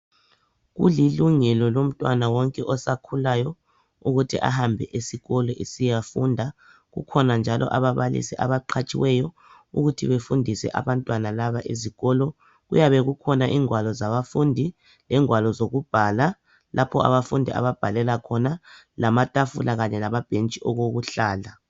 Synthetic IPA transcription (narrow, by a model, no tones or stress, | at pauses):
ɣṵliluŋɛlɔlom̩tʼwanawɔŋkʼɛʔɔsakʰulajɔ | uɣutʰḭʔa̰hambʱɛʔesiɣɔlɔʔesijafundʱa | ɣṵkʰɔnand͡ʒʱalɔ̰ʔaβaβalḭsiʔa̰βaǃʰat͡ʃʼiwɛjɔ | uɣutʰiβefundʱisɛ̰ʔa̰βantʼwanalaβaʔeziɣɔlɔ | ɣṵjaβɛɣukʰɔnaʔiːŋwalɔzaβafundʱi | lɛŋwalɔzoɣub̥ʱaːla | lʔapʰɔa̰βafundʱia̰βab̥ʱalɛlakʰɔna | lamatʼafulaɣaɲɛlamab̥ʱent͡ʃʼiʔɔɣoɣuɬaːla